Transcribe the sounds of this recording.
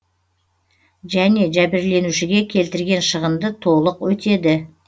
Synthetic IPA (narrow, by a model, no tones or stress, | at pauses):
ʒæne̞ʒæbɪɾle̞nuʃɪɡʲe̞kʲʰe̞lt̪ɪɾɡʲe̞nʃəʁəmd̪ət̪ʰo̞lˠəqwɵt̪e̞d̪ɪ